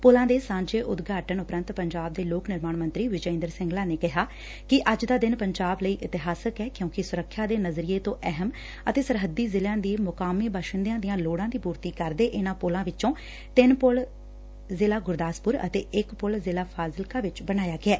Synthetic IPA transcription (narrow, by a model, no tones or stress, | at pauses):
poːlãːd̪eːsãːɲd͡ʒeːʔʊd̪ɡʱaːʈənʊpɾə̃nt̪pəɲd͡ʒaːb̚d̪eːloːknɪɾmaːɳmə̃nt̪ɾiːʋɪd͡ʒəɪ̃nd̪əɾsɪ̃ŋɡlaːneːkɪɦaː | kɪʔəd͡ʒd̪aːd̪ɪnpəɲd͡ʒaːbləiːʔɪt̪ɪɦaːsəkɛːkjõːkɪsʊɾəkʰːjaːd̪eːnəzɾiːeːt̪õːʔɛɦəm | ət̪eːsəɾɦəd̪iːzɪljãːd̪iːmʊkaːmiːbəʃənd̪ijãːd̪ɪjãːloːɽãːd̪iːpuːɾt̪iːkəɾd̪eːʔɪnãːpoːlãːʋɪt͡ʃõː | t̪ɪnpʊl | zɪlaːɡʊɾd̪aːspʊɾə̰t̪eːʔɪkpʊlzɪlaːpʰaːzɪlkaːʋɪt͡ʃbənaːjaːɡɪɛː